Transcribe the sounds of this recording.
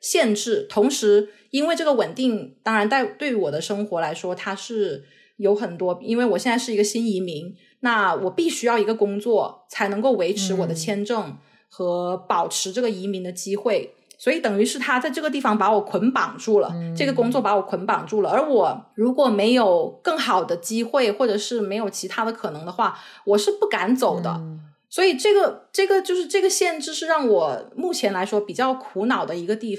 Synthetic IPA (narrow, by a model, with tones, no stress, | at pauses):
ɕjɛ˥˧nʈ͡ʂɻ̩˥˩t̪ʰʊ˧˥ŋʂɻ̩˧˥ | i˥nwe˥˧ɪʈ͡ʂɤ˥˩ɡə˩wə˨˩nt̪i˥˩ŋt̪ɑ˥ŋɻa˧˥nt̪a˥˩ɪt̪we˥˩ɪ˥wɔ˨˩d̪ə˦ʂɤ˥ŋxwɔ˧˥la˧˥ɪʂwɔ˥t̪ʰa˥ʂɻ̩˥˩ | jo˧˥ʊxə˨˩nt̪wɔ˥i˥nwe˥˩ɪwɔ˨˩ɕjɛ˥˧nt͡sa˥˧ʂɻ̩˥˩i˧˥ɡə˧ɕi˥ni˧˥mi˧˥ŋ | na˥˩wɔ˨˩pi˥˩ɕy˥jɑ˥˩ʊi˧˥ɡə˧kʊ˥ŋt͡swɔ˥˩t͡sʰa˧˥ɪnɤ˧˥ŋko˥˩ʊwe˧˥ɪʈ͡ʂʰɻ̩˧˥wɔ˨˩d̪ə˦t͡ɕʰjɛ˥nʈ͡ʂɤ˥˩ŋ | xɤ˧˥pɑ˨˩ʊʈ͡ʂʰɻ̩˧˥ʈ͡ʂɤ˥˩ɡə˩i˧˥mi˧˥ŋd̪ə˧t͡ɕi˥xwe˥˩ɪ | swɔ˧˥i˧˥˩t̪ɤ˨˩ŋy˧˥ʂɻ̩˥˩t̪ʰa˥t͡sa˥˧ɪʈ͡ʂɤ˥˩ɡə˩t̪̬i˥˩fɑ˧˩ŋpa˧˥wɔ˨˩kʰwə˧˥npɑ˨˩ŋʈ͡ʂu˥˩lə̰˩ʈ͡ʂɤ˥˩ɡə˩kʊ˥ŋt͡swɔ˥˩pa˧˥wɔ˨˩kʰə˧˥npɑ˨˩ŋʈ͡ʂu˥˩lə˩ə˞˧˥wɔ˨˩ɻu˧˥kwɔ˨˩me˧˥ɪjo˨˩ʊkɤ˥˩ŋxɑ˨˩ʊd̪ə˦t͡ɕi˥xwe˥˩ɪxwɔ˥˩ʈ͡ʂɤ˨˩ʂɻ̩˥˩me˧˥ɪjo˨˩ʊt͡ɕʰi˧˥t̪ʰa˥d̪ə˧kʰɤ˨˩nɤ˧˥ŋd̪ə˧xwa˥˩wɔ˨˩ʂɻ̩˥˧pu˥˩ka˧˥nt͡so˨˩ʊd̪ə̰˦ | swɔ˧˥i˨˩ʈ͡ʂɤ˥˩ɡə˩ʈ͡ʂɤ˥˩ɡə˩t͡ɕjo˥˧ʊʂɻ̩˥˧ʈ͡ʂɤ˥˩ɡə˩ɕjɛ˥˧nʈ͡ʂɻ̩˥˧ʂɻ̩˥˧ɻɑ˥˩ŋwɔ˨˩mu˥˩t͡ɕʰjɛ˧˥nla˧˥ɪʂwɔ˥pi˨˩t͡ɕjɑ˥˩ʊkʰu˧˥nɑ˨˩ʊd̪ə˦i˧˥ɡə˧t̪i˥˩f